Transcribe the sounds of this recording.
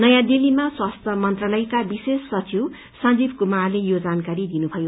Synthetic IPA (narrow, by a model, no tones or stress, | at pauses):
nʌjãd̪ilimaswast̪ʰʌmʌnt̪rʌlʌjkabisesːʌd͡ziw | sʌnd͡zibʱkumarlejod͡zankaɾid̪inubʱʌjo